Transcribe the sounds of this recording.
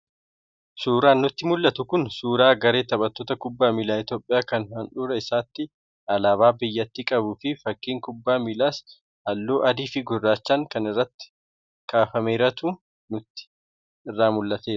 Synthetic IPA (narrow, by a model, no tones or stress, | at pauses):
suːɾaːnːʊt̪ːɪmʊlːɐt̪ʊkʊnsuːɾaːɡɐɾe̞ːt̪ɐɓɐt̪ːoːt̪ɐkʊbːaːmiːlaːɪt̪joːpʼːɪjaːkɐnhɐnᶑuːɾɐɪsaːt̪ːɪ | ʔɐlaːbaːbɪjːɐt̪ːɪkʼɐbʊfɪfɐkːiːŋkʊbːaːmilaːs | hɐlːoːʔɐd̪iːfɪɡʊrːaːt͡ʃːɐŋkɐnɪrːɐt̪ːɪ̥ | kʼaːfɐme̞ːɾɐt̪uː | nʊt̪ːɪ̥ | ɪrːaːmʊlːɐt̪eːɾɐ